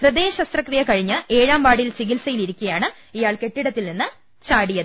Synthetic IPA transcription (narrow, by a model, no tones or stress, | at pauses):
prɨd̪e̞ːɕɐst̪rɐkrijɐkɐɻiɲːɨʔe̞ːɻaːmbaːɽilt͡ɕiɣilsɐjiliɾikʲːuɐjaːɳɨ | ijaːɭke̞ʈːiɽɐt̪ːilninːɨ | t͡ɕaːɽijɐðɨ